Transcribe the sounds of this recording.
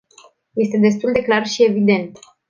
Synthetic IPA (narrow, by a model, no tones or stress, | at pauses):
je̞st̪e̞d̪e̞s̬t̪uld̪e̞klarʃie̞vid̪e̞nt̪